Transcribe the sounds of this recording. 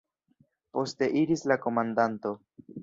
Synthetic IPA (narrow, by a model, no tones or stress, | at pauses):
po̞ste̞ʔiɾislako̞mandanto̞